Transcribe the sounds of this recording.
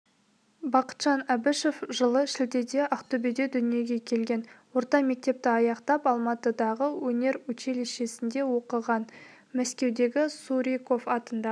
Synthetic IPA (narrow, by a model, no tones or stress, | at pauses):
bɑqə̥t̪ʒ̥ɑnæbɪʃo̞fʒəlˠəʃɪld̪e̞d̪e̞ʔɑqt̪obid̪ed̪ʏnije̞ɡʲe̞kʲʰe̞lɡʲe̞nwo̞ɾt̪ɑme̞k̚t̪e̞p̚t̪ɪɑjɑqt̪ɑpɑlˠmɑt̪əd̪ɑʁəwɵne̞ɾwɵt͡ʃe̞leʃe̞sɪnd̪e̞wo̞qəʁɑn | mæskʲe̞wd̪e̞ɡʲɪsuɾʲijko̞fɑt̪ənd̪ɑ